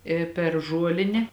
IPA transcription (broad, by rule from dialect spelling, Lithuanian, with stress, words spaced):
ɪ pʲɛr ˈʒuɔlʲɪnʲeː